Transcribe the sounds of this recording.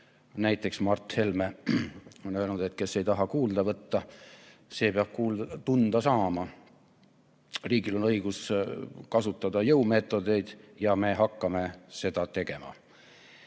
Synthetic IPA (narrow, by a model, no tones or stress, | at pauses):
næjt̪ːˑe̞ksmɑrt̪he̞lme | o̞nølnud̪̥e̞t̪ke̞sːe̞jt̪ɑɦɑkuːld̪̥ɑvɤt̪ːɑ | se̞ːpeɑb̥̚kuːlt̪und̪̥ɑsɑːmɑ | riːɡilo̞nɤ̞jɡ̥uskɑsut̪ˑːɑd̪̥ɑjɤume̞t̪ːˑo̞d̪e̞jd̪̥jɑme̞ɦɑkːɑme̞se̞d̪̥ɑt̪e̞ɡe̞mɑ̰